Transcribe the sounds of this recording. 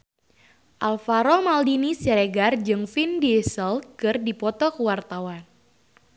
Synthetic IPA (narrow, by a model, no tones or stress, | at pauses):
ʔalfaɾɔmaldinisjaɾeɡard͡ʒɨŋfindiesəlkɨrdipɔt̪ɔkəwart̪awan